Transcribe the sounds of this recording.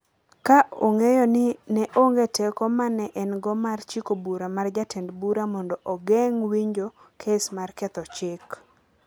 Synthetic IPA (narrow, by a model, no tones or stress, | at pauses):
kaʔoŋejonɪnɛʔoŋɡetɛkomanɛʔɛnɡɔmart͡ʃikobuɾamard͡ʒatʰendbuɾamɔndɔʔɔɡɛŋwiɲd͡ʒokʰesmarkɛt̪ɔt͡ʃɪk